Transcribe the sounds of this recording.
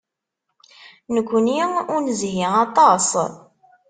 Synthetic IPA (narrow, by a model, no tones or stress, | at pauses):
nəkʷːniʊɾnzɦiɑt̪ˤɑsˤ